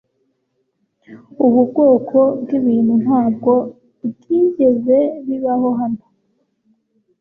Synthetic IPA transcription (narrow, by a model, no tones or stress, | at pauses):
uβubɡo̞ːkʰo̞bɡiβiːn̥hun̥haːb̚ɡo̞ | ɡiːɟe̞ze̞βiβaho̞ɦano